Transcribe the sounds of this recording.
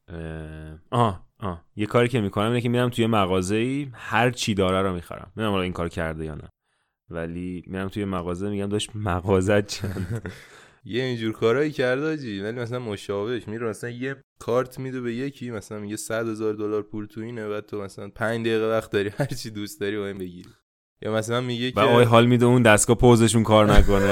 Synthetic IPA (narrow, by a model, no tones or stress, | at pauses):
eʔɒːʔɒːje̞kʰɒːɾiːcʰe̞mikʰo̞næminecʰemiːɾæmt̪ʰuje̞mæɣɒːzeiːhæɾt͡ʃʰid̪ɒːɾæɾɔmixæ̰ɾæ̰mːiɾæmhɒliːŋkʰɒːɾcʰæ̰ɾd̪ejɒ̰ːnæ̰ | væliːmiɾæmt̪ʰujemæɣɒːzemiɟæmd̪ɒːʃt̪mæɣɒːzæt̪t͡ʃʰænd̪ | jeind͡ʒuɾkʰɒːɾɒːjicʰæɾd̪ɒd͡ʒivælimæs̬ælænmoʃɒːve̞ʃmiɾemæsælænje | kʰɒːɾt̪ʰmid̪ebejecʰimæsælænmiɟesæd̪̥he̞zɒːɾd̪olɒːɾpʰuɾt̪ʰuiːnevæt̪ʰomæsælænpʰæɲd͡ʒd̪eiɣevæxt̪̚d̪ɒːɾiːhæɾt͡ʃʰid̪ust̪̚d̪ɒɾibɒimbe̞ɟiɾi | jʔɒ̰ːmæsælænmiɟevæɒjɦɒːlmid̪eund̪æsɡɒːpʰoze̞ʃ̬unkʰɒːɾnækone